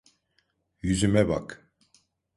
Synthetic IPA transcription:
jyzymɛba̰k

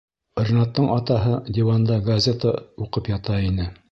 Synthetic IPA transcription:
rʲnɑt̪ːɤɴɑt̪ɑɦɤd̪ʲivand̪ɑɡɐzʲet̪əuqɤpjɑt̪ɑinɘ

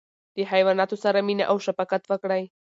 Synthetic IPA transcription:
d̪iħajʋanat̪usaɾaminʲa̰ʔawʃapakat̪vakɽaj

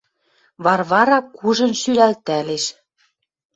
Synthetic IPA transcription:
βɑrβɑɾɑkuʒɤ̆nʃylælt̪æleʃ

